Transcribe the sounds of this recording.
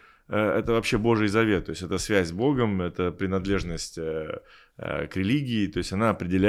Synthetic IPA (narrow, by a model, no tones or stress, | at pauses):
əɛ̰t̪əvɐpɕːe̞bo̞ʐɨjzɐvʲe̞t̪̚ːo̞jɪsʲtʲɛt̪əsvʲæzʲzbo̞ɡəmɛt̪əpɾʲɪnɐd̪lʲe̞ʐnəsʲtʲə̰ | kɾʲɪlʲiɡʲɪːt̪o̞ɪsʲɐnaɐpɾʲɪdʲɪlʲæ